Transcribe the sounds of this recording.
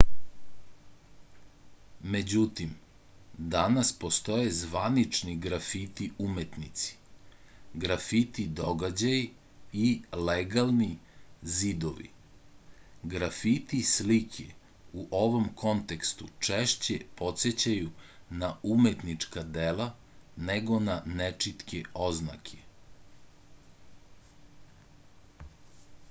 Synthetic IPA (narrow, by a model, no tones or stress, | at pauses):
me̞d͡ʑut̪im | d̪anaspo̞st̪o̞jezʋanit͡ʂniɡɾafit̪iumet̪nit̪si̥ | ɡɾafit̪id̪o̞ɡad͡ʑaj | ileɡalˠnizid̪oʋḭ | ɡɾafit̪islikʰe | uʔo̞ʋo̞mko̞nt̪ekst̪ut͡ʂeʃt͡ɕepo̞t̪set͡ɕajunaumet̪nit͡ʂkad̪ela | neɡo̞nanet͡ʂit̪keo̞zna̰kʰe̥